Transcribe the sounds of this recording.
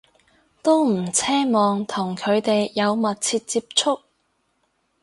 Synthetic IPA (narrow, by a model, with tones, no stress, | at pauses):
t̪o˥wm̩˨˩t͡sʰɛː˥mɔː˨ŋt̪ʰʊ˨˩ŋkʰɵ˨˧ɥt̪e˨jːɐ˨˧wmɐ˨t̚t͡sʰiː˧t̚t͡siː˧p̚t͡ʃʰʊ˥k̚